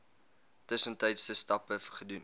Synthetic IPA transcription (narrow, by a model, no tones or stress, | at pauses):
təsəntɛjtstəstɐpəfχədun